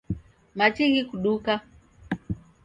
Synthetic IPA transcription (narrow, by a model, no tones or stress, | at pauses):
mat͡ʃihikuɗuka